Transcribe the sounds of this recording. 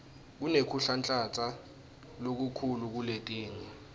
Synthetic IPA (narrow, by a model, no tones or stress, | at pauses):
k̬unekʰuɬant͡ɬʼat͡sʰa | lok̬ukʰuluk̬uletʼeːŋi